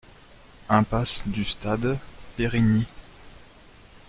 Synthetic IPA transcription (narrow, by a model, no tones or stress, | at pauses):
ɛ̃pasd̪yst̪ad̪peʁini